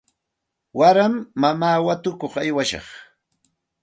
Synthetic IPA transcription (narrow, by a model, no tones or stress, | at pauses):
waɾamːamaːwat̪ʊkoχajwaʃɑ̰χ